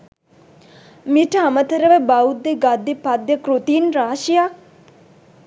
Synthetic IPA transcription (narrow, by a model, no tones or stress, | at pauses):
miʈəɦamət̪əɾəʋəbaud̪ːeɡad̪ːepad̪jəkɾut̪iːnɾaːʃija